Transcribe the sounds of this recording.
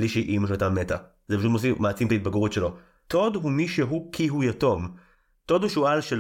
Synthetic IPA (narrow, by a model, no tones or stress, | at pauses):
liʃeʔimoʃat̪ameta | zepaʃut̪mos̬imaːt͡simtait̪̚baɡuʁut̪ʃelo̞ | t̪o̞d̪ɦumiʃeɦukʰiɦujato̞m | tod̪huʃualʃel